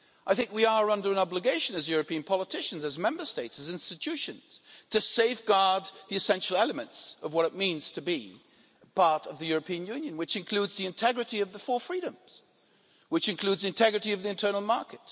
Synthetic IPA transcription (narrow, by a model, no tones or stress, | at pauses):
ʔaɪθɪ̃ŋkwiə˞ʌ̃ndə˞ɨ̃nɑbləɡeɪʃɨ̃nɨzjʊɹɨpĩɨ̃npʰɑlˠətʰɪʃɨ̃n̩zɨzmɛ̃mbə˞steɪtsɨzɪ̃nstɨtʰʉʃɨ̃nz̥tʰɨseɪfɡ̥ɑɹd̪̚ðiɨsɛ̃nʃl̩ˠɛlˠəmɨ̃ntsʌvwʌɾɨt̚mĩnz̥tʰɨbi | pʰɑɹɾʌvðɨjʊɹɨpʰĩɨ̃njʉ̃njɨ̃nwɨt͡ʃɨ̃nkʰl̥ʉdzðiɨ̃ntʰɛɡɹɨɾiʌvðəfɔlfɹiɾɨ̃mz̥ | wɨt͡ʃɨ̃nkʰl̥ʉdzðiɨ̃ntʰɛɡɹɨɾiʌvðiɨ̃ntʰɜ˞nl̩ˠmɑɹkɨt̚